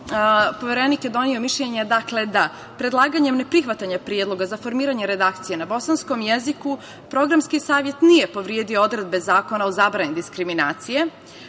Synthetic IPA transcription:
po̞ʋeɾenikjed̪o̞nio̞miʃʎeɲed̪akle̞d̪a | pɾed̪lˠaːɡaɲe̞mnepɾixʋat̪aɲapɾijed̪lˠo̞ɡazafo̞ɾmiːɾaɲeɾe̞d̪aːkt̪sije̞nabo̞sansko̞mjeziku | pɾo̞ɡɾamskisaːʋje̞t̪nije̞po̞ʋɾijeːd̪iood̪ɾe̞d̪̚bezaːko̞naozabɾanid̪iskɾiminaːt̪sije

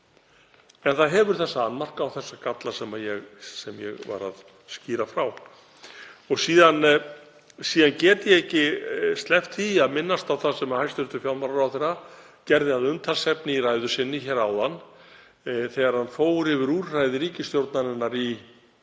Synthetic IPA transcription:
ɛnθaðɦɛvʏɾ̥θɛsːaanːmar̥kawθɛsːakat̪lasɛmajɛɣsɛmjɛ̰ɣva̰ɾa̰ð | sciːɾafɾaw | ɔɣsiːðan | siːðancɛːt̪ɪjɛɣɛhcːɪst̪lɛft̪θiaðmɪnːast̪awθaðsɛmahajst̪ʏnt̪ʏfjalmaɾaɾawθɛra | cɛɾðɪaðʏmt̪ʰalsɛpnɪirajðʏsɪnːɪçɛɾawðanː | θɛːɣaɾ̥hanfoːwʏɾɪvɪɾuːrrajðɪɾiːcɪst̪jowɾt̪nanɪnːaɾi

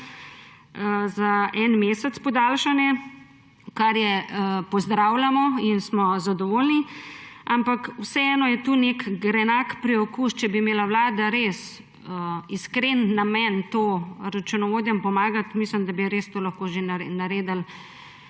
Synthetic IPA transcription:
zaʔɛnmeːsɛt̪spɔd̪aːlʃanjɛ | kaɾjɛpɔzd̪ɾaːwlamɔinsmɔzad̪ɔʋoːlni | ampakwsɛɛːnɔjɛt̪uːnekɡɾɛnakpɾiɔkuːʃt͡ʃɛbimeːlawlaːd̪aɾes | əiskɾenːamɛnt̪oɾat͡ʃunɔʋoːd̪jɛmpɔmaːɡat̪misləmd̪abiɾeːst̪olaxkoːʒennaɾeːd̪əl

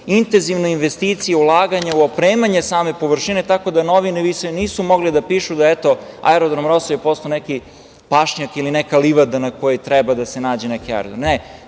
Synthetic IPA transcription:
int̪enziʋnoinʋest̪iːt̪sijeulˠaːɡaɲauopɾeːmaɲesaːme̞po̞ʋr̩ʃine̞t̪ako̞d̪anoʋineʋisoniːsumo̞ɡlid̪apiːʃud̪aet̪o̞a̰eɾod̪ɾamɾosojepost̪oneki | paʃɲakilinekaliʋad̪anakojot̪ɾɛbad̪asenaːd͡ʑenekia̰j̰ɾod̪ɾomne

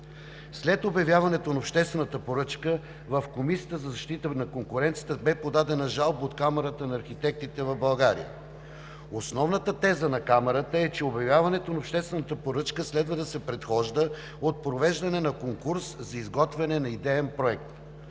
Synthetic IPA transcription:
slɛt̪objɐvjavɐnɛt̪onɐopʃt̪ɛst̪vɛnət̪əpoɾɤt͡ʃkə | vɐfkomisiət̪əzɐzɐʃt̪it̪ənɐkoŋkʊɾɛnt̪siət̪əbɛpod̪ad̪ɛnɐʒalˠbot̪kamɛɾət̪ənɐːɾxit̪ɛk̚t̪it̪ɛvɐvbɐlˠɡaɾḭə̰ | osnɔvnət̪ət̪ɛzənɐkamɛɾət̪əɛt͡ʃɛobjɐvjavɐnɛt̪onɐopʃt̪ɛst̪vɛnət̪əpoɾɤt͡ʃkəslɛd̪vəd̪ɐsɛpɾɛt̪xɔʒd̪ə | ot̪̚pɾovɛʒd̪ɐnɛnɐkoŋkuɾszɐizɡɔt̪vɛnɛnɐid̪ɛɛnpɾoɛk̚t̪

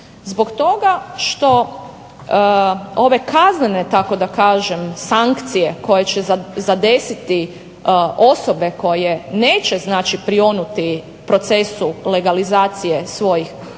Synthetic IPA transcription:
zbokt̪o̞ɡaʃt̪o̞ | oʋe̞kaznene̞t̪ako̞d̪akaːʒemsaŋkt̪sije̞ko̞jet͡ɕezad̪esit̪i | ʔo̞so̞be̞ko̞jeneːt͡ɕe̞znaːt͡ʃipɾio̞nut̪i | pɾo̞t̪se̞sule̞ɡalizaːt̪sije̞sʋo̞jix

